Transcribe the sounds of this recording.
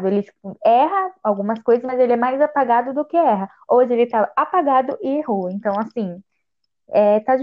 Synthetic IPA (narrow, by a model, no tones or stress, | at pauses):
d̪ʊelɪ̥ | ɛɦɐawɡũmɐskojzɐzmɐzelɪɛmajzapaɡad̪ʊd̪ʊkɪɛɦɐ | oʒɪelɪt̪aapaɡad̪ʊʔɪehoẽnt̪ɐ̃w̃asĩ | ɛt̪ad͡ʒ